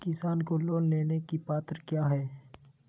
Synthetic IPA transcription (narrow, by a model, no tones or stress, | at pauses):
kɪsaːnkoloːnleːnekipaːt̪əɾkjaːɦɛː